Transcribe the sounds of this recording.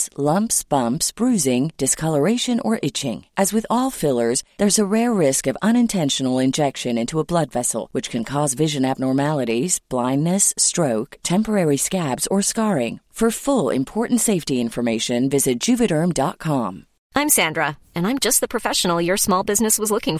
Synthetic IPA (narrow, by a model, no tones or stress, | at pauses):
slʌ̃mpsb̥ʌ̃mpsb̥ɹʉzɪ̃ŋd̥ɨskʰʌlˠə˞eɪʃɨ̃nə̰˞ʔɪt͡ʃɪ̰̃ŋʔɨzwɨðɔlˠfɪlˠə˞zðə˞zəɹɛɹːɪskʌvʌ̃ñɨ̃ntʰɛ̃nʃn̩l̩ˠɪ̃nd͡ʒɛkʃɨ̃nɪ̃ntʰuəblʌdvɛsl̩ˠwɨt͡ʃkʰɨ̃n̩kʰɔzvɪʒɨ̃næv̚nɔɹmælˠəɾiz̥b̥lãɪ̃nːɨstɹ̥oʊktʰɛ̃mpə˞ɛɹiskæbz̥ə˞skɑɹɪ̃ŋfə˞fʊlˠɪ̰̃mpʰɔɹʔn̩tseɪftiɪ̃ɱfə˞meɪʃɨ̃nvɪzɨt̚d̥ʒ̥ʉpɨɾə̃˞mdɑt̚kʰɑ̃m | ʔãɪ̃msæ̃ndɹə | ɨ̃nãɪ̃md͡ʒʌst̚ðəpʰɹ̥ɨfɛʃn̩l̩ˠjə˞smɔlˠbɪznɨswʌzlʊkɪ̃ŋ